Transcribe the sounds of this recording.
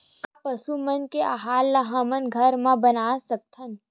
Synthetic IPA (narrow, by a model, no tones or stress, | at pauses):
kapəsumənkeʔaɦaːlːaɦamənɡʱəɾmãbənaːsək̚t̪ʰən